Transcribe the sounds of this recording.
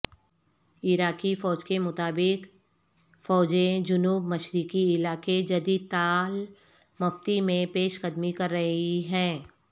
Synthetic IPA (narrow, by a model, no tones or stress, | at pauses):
ɪɾaːkifɔːd͡ʒkemʊt̪aːbɪk | fɔːd͡ʒẽd͡ʒʊnuːbmɐʃɾɪkiɪlaːked͡ʒɐd̪iːd̪̚t̪aːl | mɐft̪imẽpeːʃqəd̪mikɐɾːɐɦiɦɛ̃ː